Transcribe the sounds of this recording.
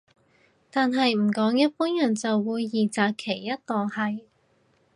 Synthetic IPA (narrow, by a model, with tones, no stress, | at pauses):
t̪aː˨nɦɐ˨˧jm̩˨˩kɔː˨˥ŋjɐ˥t̚puː˥njɐ˨˩nt͡sɐ˨wːuː˨˧jːiː˨˩t͡saː˨kkʰːe˨˩jːɐ˥t̚t̪ɔː˨˩ŋhɐ˨j